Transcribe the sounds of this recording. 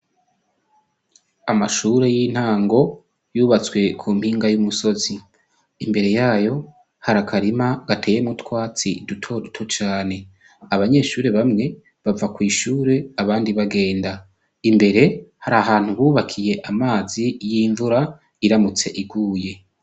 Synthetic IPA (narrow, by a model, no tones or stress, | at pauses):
amaʃuːɾe̞jin̥haːŋɡo̞ | juːβat͡swe̞kʰuːm̥hiːŋɡajumuso̞zi | imbe̞ɾe̞jaːjo̞ | haɾakʰaɾimaɡ̥atʰe̞ːje̞mŋutkwaːt͡sidutʰo̞dutʰo̞t͡ʃaːne̞ | aβaɲe̞ʃuːɾe̞βamŋe̞ | βavakwiːʃuːɾe̞aβaːndiβaɡe̞ːnda | imbe̞ɾe̞haɾaɦaːn̥huβuːβakʰije̞ʔamaːzijiːɱvuɾa | iɾamut͡se̞ʔiɡuːje̞